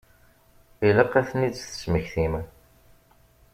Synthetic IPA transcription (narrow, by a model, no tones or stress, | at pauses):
iləqːæθnid̪θə̥sməçθim